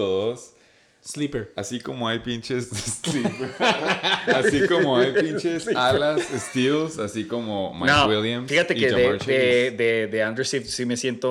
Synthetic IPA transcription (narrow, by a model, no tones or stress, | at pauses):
oðos | slipeɾasiko̞moajpint͡ʃe̞zðeslipeɾ | assikomoajppint͡ʃesalasest̪ilsasikomoma̰nowiljamsfixat̪e̞keðet͡ʃðeðeðeand̪eɾsitsime̞sje̞nt̪o